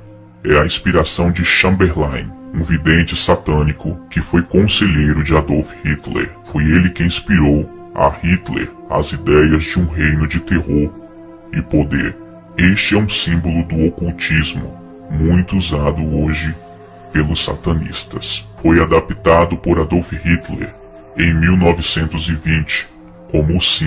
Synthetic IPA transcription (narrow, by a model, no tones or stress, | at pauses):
ɛɐĩspiɾasɐ̃w̃d͡ʒɪʃɐ̃mbeɾlãj̃ũvid̪ẽnt͡ʃɪsat̪ɐ̃nikʊkɪfojkõseʎejɾʊd͡ʒɪad̪owfhit̪lḛɾfojelɪkɪĩspiɾow | ɐ̰hit̪lḛɾ | a̰zid̪ɛjɐzd͡ʒɪũɦejnʊd͡ʒɪt̪ehoɾ | ɪpod̪ḛɾ | est͡ʃɪɛũsĩbolʊd̪ʊokuwt͡ʃizmʊ̰ | mũj̃t̪ʊuzad̪ʊoʒɪ | pelʊsa̰t̪ɐ̃nḭst̪ɐsfojad̪apt̪ad̪ʊpoɾad̪owfɪhit̪lɛ̰ɾ | ẽj̃miwnɔvɪsẽnt̪ʊzɪvĩt͡ʃɪ̥ | kõmʊːsĩ